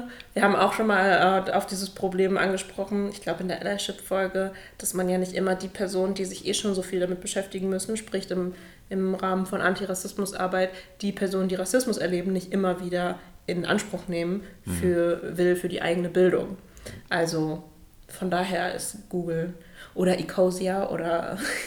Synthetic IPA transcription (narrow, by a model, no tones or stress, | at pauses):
viːɐɦaːbm̩a̰ʊxʃoːnmaːlʔɛːa̰ʊfd̥iːzəspʁ̥obleːmʔa̰nɡəʃpʁ̥ɔχn̩ɪçɡ̥laʊbəɪndeːɐʔɛ̰laɪʃɪpfɔlɡəd̥asmanjaːnɪçtʔɪmɐdiːpʰɛɐzoːnəndiːzɪçʔeːʃoːnzofiːldamɪt̚b̥əʃɛftɪɡŋ̩mʏsn̩ʃpʁ̥ɪçtɪm | ʔɪmʁaːmənfɔnʔa̰ntiʁasɪsmʊsʔa̰ɐbaɪtd̥iːpʰɛɐzoːnəndiːʁasɪsmʊsɛɐleːbm̩nɪçtʔɪmɐviːdɐʔɪnʔa̰nʃpʁ̥ʊxneːmənfyːɐvɪlfyːɐdḭːʔa̰ɪɡənəbɪldʊ̰ŋ | ʔalzo | fɔndaːɦeːɐʔɪ̰stɡ̥uːɡl̩ | ʔoːɾɐʔikʰoziaʔo̰ːɾɐ̰